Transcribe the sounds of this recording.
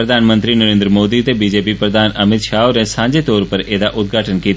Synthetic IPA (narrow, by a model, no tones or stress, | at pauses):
ɾəd̪ʱaːnmə̃nt̪ɾinəɾẽːnd̪ɾəmoːd̪iːt̪ebiːd͡ʒeːpiːpɾəd̪aːnʔəmɪt̪ʃaːunesãːɲd͡ʒeːt̪ɔːɾpəɾeːd̪aːʔʊt̪̚ɡʱaːʈənkiːt̪a